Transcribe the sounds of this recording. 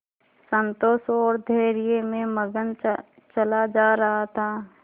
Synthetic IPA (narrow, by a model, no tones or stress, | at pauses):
sə̃nt̪oːsɔːɾd̪ʱeːɾijemẽməɡən | t͡ʃɐlad͡ʒaːɾɐɦat̪ʰaː